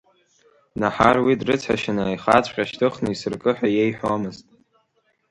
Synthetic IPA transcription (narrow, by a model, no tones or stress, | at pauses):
naħarwidrɨt͡sʷʰa̰ʃɪnajχat͡sʷʰʼqʲʼaʃtʰɨχnɨisɨrkʼɨħʷᶣajejħʷᶣamɨztʼ